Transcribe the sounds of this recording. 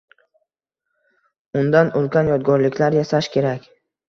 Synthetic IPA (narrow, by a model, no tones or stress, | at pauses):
ʊnd̪anʊlˠɡʲanjɒd̪̚ɡɒɾlɪkʲʰlaɾjasaʃkʲe̞ɾakʲ